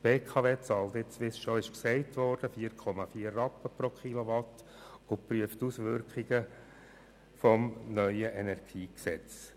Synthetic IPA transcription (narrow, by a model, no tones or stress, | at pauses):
b̥eːkʰɑʋeːt͡sɑːltɪt͡sʋɪsʃoɪʃksɛɪtʋɔrd̥əfiːəɾkʰɔmɑfiːərːɑpəpɾokχiloʋɑtː | ʊpɾyəftusʋʏɾkɪɡ̥ə | fɔmnœʏəʔɛnæɾɡ̥iːksɛt͡s